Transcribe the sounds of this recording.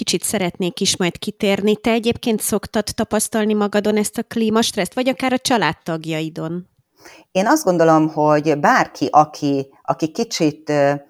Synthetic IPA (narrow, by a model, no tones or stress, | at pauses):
kit͡ʃit̪sɛɾɛt̪neːkiʃmɒjt̪kit̪eːrnit̪ɛɛɟeːp̚keːnt̪so̞kt̪ɒt̪ːɒpɒst̪ɒlnimɒɡɒd̪o̞nɛst̪ɒkliːmɒʃt̪rɛst̪ʋɒɟɒkaːɾɒt͡ʃɒlaːt̪ːɒɡjɒid̪o̞n | eːnɒzd̪ɡo̞nd̪o̞lo̞mhoɟbaːrkʰiʔɒkʰi | ɒkikit͡ʃit̪ː